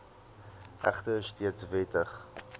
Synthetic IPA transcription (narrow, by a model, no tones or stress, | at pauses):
ʔæ̰χtəstʰiət͡svetəχ